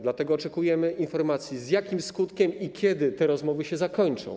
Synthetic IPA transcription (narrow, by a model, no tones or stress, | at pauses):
d̪lat̪ɛɡɔːt͡ʂɛkujɛmɘʔinfɔɾmat̪sʲjizjakʲimskut̪kʲɛmikʲjɛd̪ɘt̪ɛɾɔzmɔvɘɕɛzakɔɲt͡ʂɔ̰̃w̃